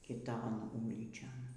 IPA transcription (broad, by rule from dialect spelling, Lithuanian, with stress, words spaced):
kʲɪˈtoːn ˈuːlʲiːt͡ʃʲoːn